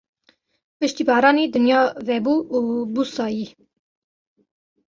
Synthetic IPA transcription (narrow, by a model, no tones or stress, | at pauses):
pɨʃt̪iːbɑːɾɑːnid̪ɨnjɑːvɛbuːʔubusɑːji